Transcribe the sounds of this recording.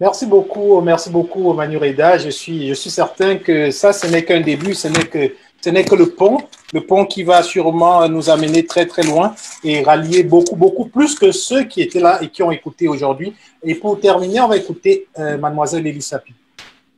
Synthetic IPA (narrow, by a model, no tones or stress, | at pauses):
mɛʁsibokumɛʁsibokuomanyʁed̪aʒəsɥiʒəsɥisɛʁt̪ɛ̃kəsasənɛkɛ̃d̪ebysənɛkə | sənɛkələpɔ̃ləpɔ̃kʲivasyʁmɑ̃nuzamənet̪χɛt̪χɛlwɛ̃eʁaljebokubokuplyskəsøkʲiet̪ɛlaekʲiɔ̃ekut̪eoʒuʁd̪ɥi | epuʁt̪ɛʁmineɔ̃vaekut̪emad̪mwazɛlːelisapi